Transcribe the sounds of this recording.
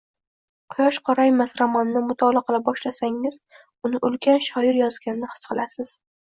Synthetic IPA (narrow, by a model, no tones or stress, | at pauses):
qʰʊjɒʃqʰɒɾajmasɾamɒnːɪmʊt̪ʰɒlˠaqʰɨlabɒʃlasaŋɪz̥ | ʊnɪʔʊlkʲʰanʃɒjɪɾjɒzɡʲanɪnɪhɨ̥sqɨlˠasɪz̥